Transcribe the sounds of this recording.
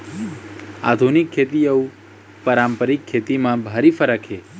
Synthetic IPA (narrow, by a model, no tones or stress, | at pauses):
a̰d̪ʱunikʰːet̪iəũ | pəɾampəɾikʰːet̪imãbʱaɾifəɾəkʰe